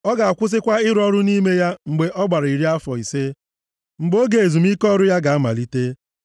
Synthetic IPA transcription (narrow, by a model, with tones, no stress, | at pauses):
ɔ˦ɡa˨a˨kʷʊ˦s̬ɪ˦kʷa˦ɪ˦ɾʊ˦ɔ˦ɾʊ˦ni˦me˦ja˦ŋ͡m̩˨ɡ͡be˨ʔɔ˦ɡ͡ba˨ɾa˨i˨ɾi˦a˦fɔ˨i˨se˦ | ŋ͡m̩˨ɡ͡bo˦ɡe˨e˨zu˨mi˦kɔ˦ɾʊ˦ja˦ɡa˨a˦ma̰˨li˦te˦